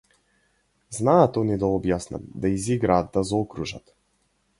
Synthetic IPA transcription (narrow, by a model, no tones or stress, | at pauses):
znaːt̪ɔnid̪aɔbjasna̰md̪aiziɡɾad̪ːazɔkɾuʒa̰t̪